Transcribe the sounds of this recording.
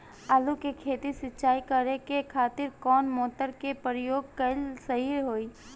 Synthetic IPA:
aːlukekʰeːt̪isɪtːt͡ʃaːikəɾekekʰaːt̪ɪɾkɔːnmoːt̪əɾkepəɾjoːɡ̚kɐlsəɦiɾɦoːiː

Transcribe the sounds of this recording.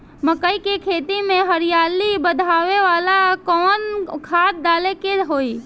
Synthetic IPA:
məkəikekʰet̪imẽɦəɾijalibəd̪ʱaʋeʋalakɔːnkʰat̪̚d̪alekeɦoi

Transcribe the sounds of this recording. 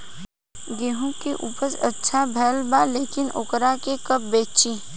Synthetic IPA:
ɡeːɦũkeʔuːpəɾsɐtːʃʰabʱɛːlbaleːkɪnʊ̰kɾakekɐp̚beːt͡ʃiː

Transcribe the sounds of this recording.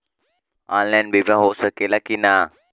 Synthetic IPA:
anlanbʱibãɦoʔsəkelakina

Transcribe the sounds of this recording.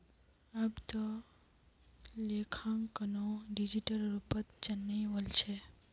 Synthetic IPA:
abt̪o | lekʰãŋkənoɖid͡ʒiʈəlɾupət̪t͡ʃənːəjʋəlt͡ʃʰe

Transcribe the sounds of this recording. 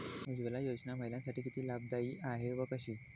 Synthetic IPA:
id͡ʑʋelajod͡ʑnam̤əjljãnsaʈiːkit̪ʰiːlab̚d̪aiːʔaɦeʋəkəɕiː

